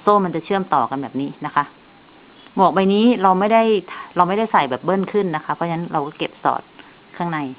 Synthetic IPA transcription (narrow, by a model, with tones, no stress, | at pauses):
soː˥˩ma˧nt͡ɕa˨˩t͡ɕʰɯ˥˩əmt̪ɔː˨˩ka˧nbɛː˨˩p̚niː˦˥na˦˥kʰa˦˥ʔ | mu˨˩k̚ba˧jniː˦˥ɾa˧wma˥˩jda˥˩jt̪ʰɾa˧wma˥˩jda˥˩jsa˨˩jbɛː˨˩p̚bɤː˥˩˨nkʰɯ˥˩nːa˦˥kʰa˦˥pʰɔ˦˥˩a˧na˦˥nɾa˧wkɔː˥˩ke˨˩p̚sɔ̰ː˨˩t̪̚ | kʰaː˥˩ŋna˧j